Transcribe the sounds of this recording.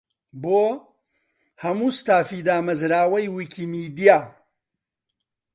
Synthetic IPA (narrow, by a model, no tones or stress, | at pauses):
boː | hɐmuːst̪aːfid̪aːmɐzɾaːwɐjwikʰimiːd̪ijaː